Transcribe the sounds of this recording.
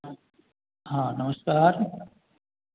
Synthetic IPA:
hãːnɐməskaːɾ

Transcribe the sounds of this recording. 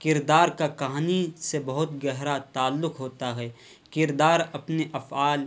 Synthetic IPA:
kɪɾd̪aːɾkakɐɦaːnisebɐɦʊt̪ɡɛɦɾat̪aːlːʊkɦoːt̪aɦɛː | kɪɾd̪aːɾɐpneʔɐfaːl

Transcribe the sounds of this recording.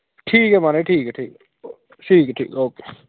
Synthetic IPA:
ʈʰiːkɦɛmaːneʈʰiːkɦɛʈʰiːk | ʈʰiːkɛʈʰḭːkoːkeː

